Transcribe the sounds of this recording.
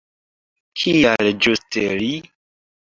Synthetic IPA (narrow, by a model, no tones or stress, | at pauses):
kʰiald͡ʒusteli